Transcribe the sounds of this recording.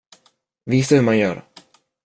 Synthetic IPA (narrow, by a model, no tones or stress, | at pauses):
viːsahɵmanjœ̰ːɾ